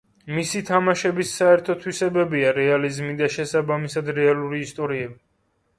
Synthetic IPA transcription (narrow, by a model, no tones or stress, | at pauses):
misit̪ʰamaʃɛbisːaɛɾt̪ʰɔt̪ʰwisɛbɛbiaɾɛalizmid̪aʃɛsabamisad̪ɾɛalˠuɾiːst̪ʼɔɾiɛbi